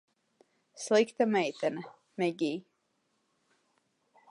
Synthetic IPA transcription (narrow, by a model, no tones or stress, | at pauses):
slˠikt̪amɛjt̪ɛna | mɛɡʲiː